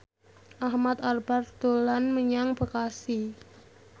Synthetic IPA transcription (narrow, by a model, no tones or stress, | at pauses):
ʔahmat̪arb̥ard̪̥olanməɲaŋbə̤kasi